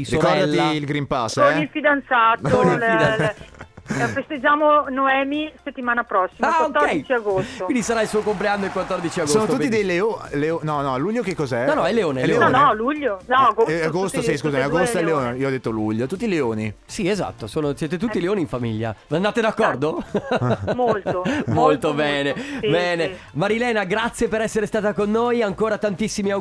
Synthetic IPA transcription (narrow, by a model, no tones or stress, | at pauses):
sɾɾiokɔɛd̪alːiːilɡɾimpasːɛilfid̪ant̪saːt̪ol | fest̪ed͡ʒaːmonoɛːmiset̪ːimaːnapɾɔsːimakwaokt̪ːɔrɛdijt͡ʃiaɡostkwoind̪isaɾailsuːokompleanːoilkwat̪ːɔrd̪it͡ʃiaɡoosːnot̪ut̪ːid̪ejleoleonɔnɔluʎːokekːɔzɛnɔnɔɛlːeoːnelːeenɔnɔluʎːonɔɡoaɡost̪osis̬kuzamiaɡost̪oɛlːeoːneioɔd̪et̪ːoluʎːot̪ut̪ːileoːni | sieza̰t̪ːosoːnosjɛːt̪̬et̪ut̪ːileoːniɱfamḭʎːa̰and̪aːt̪ed̪akːɔrd̪o | moltomolt̪obɛːnebɛːne | maɾilɛːnaɡɾat̪sːjepeɾɛsːeɾest̪aːt̪akonːojaŋkoːɾat̪ant̪isːimia